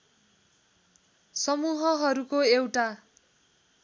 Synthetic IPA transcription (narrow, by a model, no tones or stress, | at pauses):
sʌmuɦʌɦʌɾukoewʈa